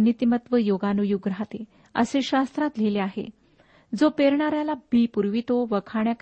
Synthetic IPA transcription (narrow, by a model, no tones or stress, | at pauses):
nit̪imət̪ʋəjoɡanujuɡɾat̪e | ə̰seɕast̪ɾat̪leleaɦḛ | d͡zopeɾɳaɾjalabiːpuɾʋit̪oʋəkʰaɳjak